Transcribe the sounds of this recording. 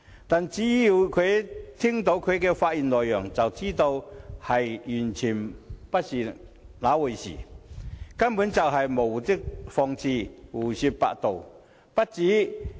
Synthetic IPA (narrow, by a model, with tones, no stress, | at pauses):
t̪aː˨nt͡siː˨˥ji˨˧wkʰɵ˨˧t̪ʰi˥ŋt̪o˨˥wkʰɵ˨˧ɥkɛː˧faː˧t̚ji˨nlɔː˨˩jːœː˨˩ŋt͡sɐ˨wt͡siː˥t̪o˧whɐ˨jjyː˨˩nt͡sʰiː˨˩npɐ˥t̚siː˨ | laː˨˥wu˨˩jsḭ˨˩ | kɐ˥npu˨˥nt͡sɐ˨wɦɐ˨˩jmo˨˩wu˨˩t̪ɪ˥k̚fɔː˧ŋt͡sʰiː˧wuː˨˩si˧pa̰ː˧k̚t̪o˨w | pɐ˥t̚t͡siː˨˥